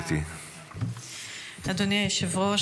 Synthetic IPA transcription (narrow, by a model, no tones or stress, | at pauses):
t̪i | ad̪oneʃevʁo